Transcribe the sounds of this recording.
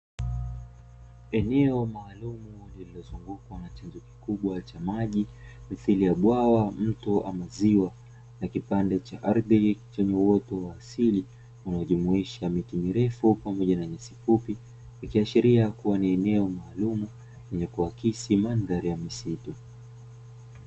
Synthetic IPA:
ɛnɛɔmaːlumulililɔzuŋɡukwanat͡ʃanzɔki̥kuɓwat͡ʃamaʄi | miθilijaɓwawam̩tɔʔamaziwa | nakipandɛt͡ʃaʔaɾðit͡ʃɛɲɛwɔtɔwaːsili | unaɔʄumuiʃamitimiɾɛfupamɔʄanaɲasifupi | nikiaʃiɾiakuwaniɛnɛɔmaːlumu | lɛɲɛkuwakisimandaɾijamisitu

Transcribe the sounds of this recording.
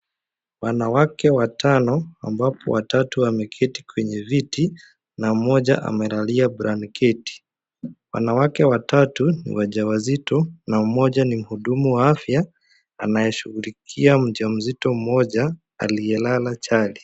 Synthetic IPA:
wanawakɛwatʰanɔa̰mbapʰɔ̰watatuamɛkʰɛti̥kwɛɲɛviti | namɔʄa̰ʔa̰mɛlaliabɾankʰɛti̥ | wa̰nawakɛwatatunḭwaʄawazitɔnam̩mɔʄanim̩huɗumuwaafja | anajɛʃuɣulikʰiam̩ʄam̩zitɔm̩mɔʄa | a̰lijɛlalat͡ʃali

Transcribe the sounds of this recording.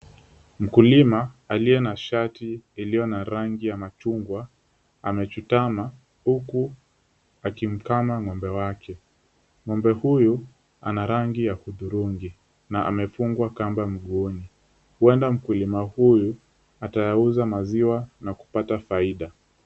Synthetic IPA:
m̩kulimaːlijɛnaʃatiːlijɔnaɾaŋɡijamat͡ʃuŋɡwa | amɛt͡ʃutama | huku | akim̩kamaŋɔmbɛwakʰɛ | ŋɔmbɛhuju | a̰naɾaŋɡijahuðuɾuŋɡi | naa̰mɛfuŋɡwakambam̩ɠuni | huɛndam̩kulimahuju | atajauzamaziwanaku̥patafaiɗa

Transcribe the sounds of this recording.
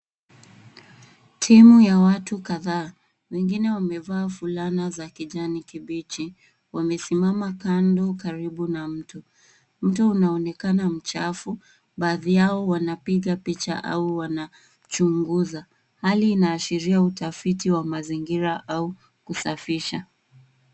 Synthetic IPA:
tʰimujawatukaðaː | wɛŋɡinɛwamɛvaːfulanazakiʄanikiɓit͡ʃi | wamɛsimamakandɔkaɾiɓunam̩tu | m̩tuunaɔnɛkanam̩t͡ʃafu | ɓaːðijaɔwanapiɠapit͡ʃa̰ʔa̰uwana | t͡ʃuŋɡuza | haliːnaːʃiɾiautafitiwamaziŋɡiɾaʔau | kusafiʃa

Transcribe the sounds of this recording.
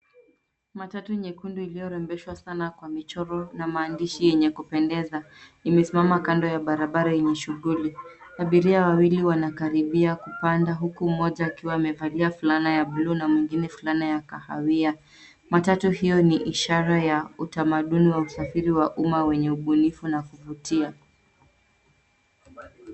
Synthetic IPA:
matatuɲɛkunduilijɔɾɛmbɛʃwasanakwamit͡ʃɔɾɔnamaːndiʃijɛɲɛkupɛndɛza | imɛsimamakandɔjaɓaɾaɓaɾajɛɲɛʃuɣuliaɓiɾiawawiliwanakaɾiɓiakupandaɦukumɔʄaːkiwaːmɛvaliafulanajaɓlunamwiŋɡinɛfulanajakaha̰wia | matatuhijɔniʔiʃaɾajautamaɗuniwausafiɾiwaʔumawɛɲɛuɓunifunakuvutia

